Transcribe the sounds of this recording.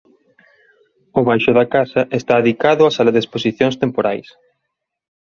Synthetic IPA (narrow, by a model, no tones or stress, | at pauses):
ʊβajʃʊðɐkasɐʔest̪aːðikaðʊasalɐðesposiθjõŋst̪empoɾajs